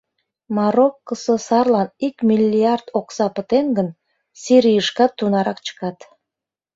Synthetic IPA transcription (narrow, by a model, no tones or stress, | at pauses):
mɑɾokːəsəsɑrlˠɑnikmʲilʲːiɑrd̪oksɑpə̆t̪eŋɡən | siɾijəʃkɑt̪ːunɑɾɑkt͡ɕə̥kɑt̪